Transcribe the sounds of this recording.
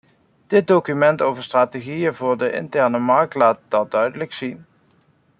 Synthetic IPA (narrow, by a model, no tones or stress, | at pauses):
d̥ɪt̚dokymɛntowvəɹstraːteɣijəvʊːɹdəʔɪ̰ntɛɹnəmɑɹk̚tlaːt̚d̥ɑt̚dœɥdələksin